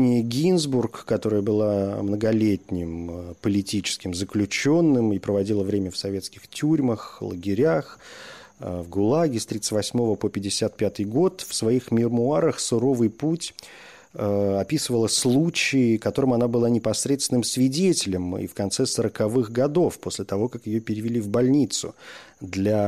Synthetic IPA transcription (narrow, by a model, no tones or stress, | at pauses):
nʲɪjəɡʲinzburkːɐt̪o̞ɾɨjəbɨlˠamnəɡɐlʲetʲnʲɪmpəlʲɪtʲit͡ɕɪ̥skʲɪmzəklʲʉt͡ɕo̞nːɨmipɾəvɐdʲilˠəvɾʲemʲəfsɐvʲe̞t̪skʲɪxtʲuɾʲməxlˠə̰ɡʲɪɾʲax | vɡʊlˠaɡʲɪst̪ɾʲit̪ɨtʲvɐsʲmo̞vəpopʲɪdʲɪsʲat̪̚pʲat̪ɨjɡo̞t̪fsvɐixmʲɪrmʊaɾəxsʊɾo̞vɨjputʲ | ɐpʲisɨvəlˠəslˠut͡ɕɪːkɐt̪o̞ɾɨmɐnabɨlˠanʲɪpɐsɾʲet̪st̪ʲɪnɨmsvʲɪdʲetʲɪlʲəmḭfkɐnt̪sɛsəɾəkɐvɨxɡɐd̪o̞fpo̞sʲlʲɪt̪ɐvo̞kakjɪjo̞pʲɪɾʲɪvʲɪlʲivbɐlʲnʲit̪sʊ̰d̪lʲa